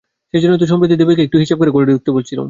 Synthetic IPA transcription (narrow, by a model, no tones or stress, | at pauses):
ʃed͡ʑonːot̪̬uʃɔmpɾod̪ʱid̪ebekeekʈuɦiʃab̚koɾekoɾeɖiuk̚t̪ebolt͡ɕʰilo̰m